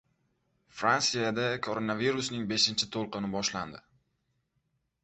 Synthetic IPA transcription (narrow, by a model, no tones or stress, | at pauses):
fɾansijad̪akʰoɾonaviɾusnɪŋbe̞ʃɪnt͡ʃʰɪt̪ʰolˠqɨnɪbɒʃland̪ɪ